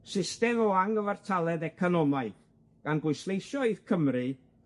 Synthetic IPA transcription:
sɪstɛmɔaŋɡəvartʰalˠɛdɛkʰɔnɔmaɨθ | ɡ̥anɡwʊjslˠejʃɔið̥kʰəmrɨ

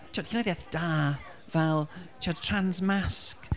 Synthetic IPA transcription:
t͡ʃʰɔd̥ʰɪnaðjaθd̥aː | vɛlˠt͡ʃʰɔdtʰranzmask

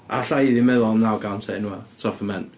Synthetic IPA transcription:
a̰ɬajðimɛðɔnːawɡawntʰɛnuatʰɔfəmɛn

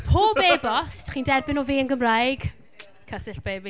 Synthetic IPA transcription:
pʰoːbbebɔstχiːndɛrbɪnɔviːənɡəmrajɡ̥ | kʰəsɪɬb̥eːbi

